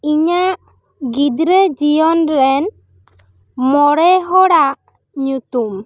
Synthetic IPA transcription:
iɲaʔ | ɡid̪ɾed͡ʒijɔnɾɛn | mɔɾɛɦɔɽaʔ | ɲut̪um

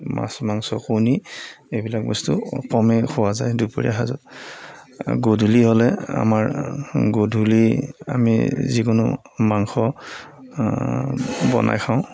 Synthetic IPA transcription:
ma̰smaŋsɔxuni | ebilak̚bɔstukɔmɛxʰʊwazajdupɔɹḭaɦazɔ̰t | ɡodʱulihɔlɛa̰maɹɡodʱulia̰mizikunʊ̰ | maŋxɔ | bɔ̰nʔa̰jxʰaʊ̃

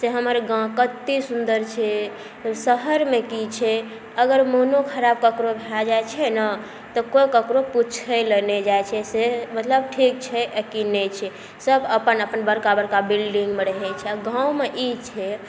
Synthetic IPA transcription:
seɦəməɾɡãkət̪ːisund̪əɾt͡ʃʰɛ | səɦəɾmekit͡ʃʰɛ | əɡəɾmonokʰəɾab̚kəkɾobʱead͡ʒajt͡ʃʰɛnə | t̪ɔkojkəkɾoput͡ʃʰəjləned͡ʒajt͡ʃʰɛsemət̪ləb̚ʈʰik̚t͡ʃʰɛʔəkinɛt͡ʃʰɛ | səbəpənəpənbəɾkabəɾkabilɖiŋɡmeɾəɦɛt͡ʃʰɛaɡãwmeʔit͡ʃʰɛ

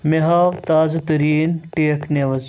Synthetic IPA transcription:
meɦaːʋt̪aːzɐt̪ɐɾiːnʈeːkʰneʋɐz

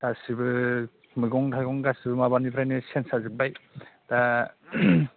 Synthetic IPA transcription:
dasibɯ | mɯɡɔŋtʰajɡɔŋɡasibɯmabanipʰɾajnɯsensazɯbajda

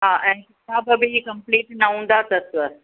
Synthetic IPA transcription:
ɦaːʔɛ̃ːkɪt̪aːbɐbʱikɐ̃mpleːʈnaɦũːn̆d̪at̪ɐsə

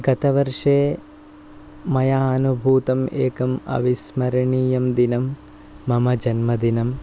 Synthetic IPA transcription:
ɡɐt̪ɐʋɐɾʂeː | mɐjaːɐnubʱuːt̪ɐmeːkɐmɐ̰ʋismɐɾɐɳiːjɐmd̪inɐmː | ɐmɐd͡ʒɐnmɐd̪inɐm

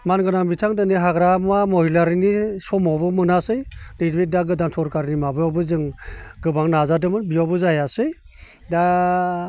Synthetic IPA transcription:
manɡɯnaŋbitʰaŋdɯniɦaɡɾamamɔhilaɾinisɔmɔbɯmɯnasɯjnɯdbedaɡɯdantʰɔɾkaɾinimabɯjawbɯzɯŋɡɯbaŋnazadɯmɯnbijawbɯzajasɯj | da

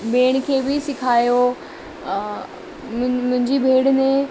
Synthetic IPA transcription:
ɓeːɽ̃kʰeːbɪsɪkʰaːjo | mʊ̃ɦɪ̃ɲd͡ʑibʱeːɽnẽ

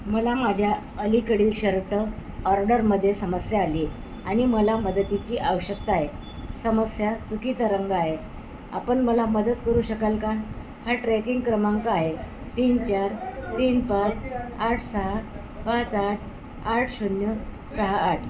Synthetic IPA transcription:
məlamad͡ʑʱja | əlikəɽiːlɕəɾʈəɔɾɖəɾməd̪ʱːjesəməsjaːli | aɽ̃iməlaməd̪ət̪it͡ɕiːʔaʋəɕəkt̪aɦe | səməsjat͡sukit͡saɾəŋɡaɦe | a̰pəɳməlaməd̪ət̪kəɾuːɕəkalka | haʈɾɛkiŋɡkɾəmaŋkaaɦe | t̪iːnt͡ɕaɾt̪iːnpat͡saʈʰsəɦa | pat͡saʈʰ | aʈʰɕunjə | səɦaːʈʰ

